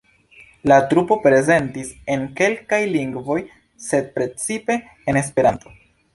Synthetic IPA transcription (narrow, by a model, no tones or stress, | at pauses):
latɾupo̞pɾe̞ze̞ntise̞nke̞lkajliŋɡvo̞j | se̞d̚pɾe̞t͡sipe̞ː | ne̞spe̞ɾanto̞